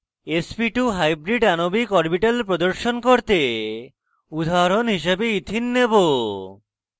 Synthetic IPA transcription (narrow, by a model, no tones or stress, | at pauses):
espiʈuɦajbɾiɖanobikɔɾbiʈelpɾod̪oɾʃonkoɾt̪e | ud̪ʱaɾonɦiʃebeit̪ʰinːebo